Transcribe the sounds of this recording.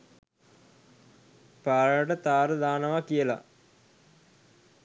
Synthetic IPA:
paːɾəjəʈət̪aːɾəd̪aːnəʋakijəla̰

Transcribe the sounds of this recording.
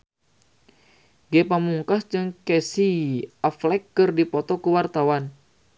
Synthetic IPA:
ɡɛpamuŋkasd͡ʒɨŋkɛsiaflɛkːɨrdipɔt̪ɔkuwart̪awan

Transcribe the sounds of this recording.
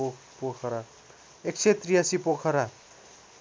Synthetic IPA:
pokʰʌɾa | ek̚t͡sʰet̪rijasipokʰʌɾa

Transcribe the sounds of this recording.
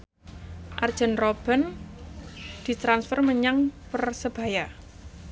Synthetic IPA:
ʔard̥ʒ̥ə̤nrob̥ə̤n | d̪̥i̤t̪ɾansfərməɲaŋpərsəb̥a̤ja

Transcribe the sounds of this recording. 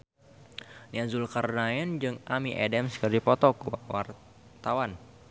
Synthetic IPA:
niazulkarnaɛnd͡ʒɨŋʔamiʔɛ̰dɛmskərdipɔt̪ɔkuwawar | t̪awan

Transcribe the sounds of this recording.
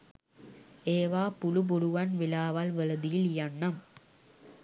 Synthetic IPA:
eːʋaːpʊlub̬ʊɽuʋanʋɪlaːʋaːlʋɐlɐd̪ɪjiljɐɳːɐm

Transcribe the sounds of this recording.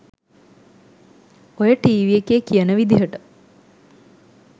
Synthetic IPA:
ojəʈiːʋijekeːkijənəʋid̪iɦəʈə

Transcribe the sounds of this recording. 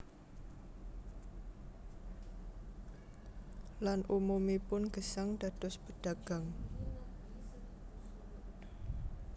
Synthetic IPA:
lanʔumumipʊnɡ̥əsaŋd̥ad̪̥ɔsb̥əɖ̥aɡ̥a̤ŋ

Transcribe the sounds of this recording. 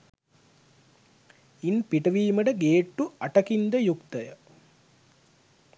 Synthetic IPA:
inpiʈɐʋiːməɖəɡeːʈːuaʈɐkind̪əjukt̪əjə

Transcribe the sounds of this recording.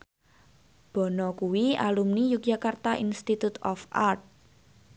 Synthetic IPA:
b̥ɔ̤nɔkuwialumnijukjakart̪aʔinst̪it̪ut̪ɔfart̪̚

